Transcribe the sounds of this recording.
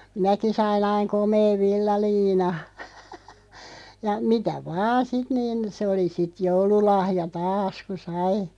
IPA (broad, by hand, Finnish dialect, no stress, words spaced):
minæki sɑin ɑiŋ komeːʋ ʋilːɑliːnɑ jɑ mitæ ʋɑː sit niːn̞ se oli sit joululɑhjɑ tɑːs ku sɑi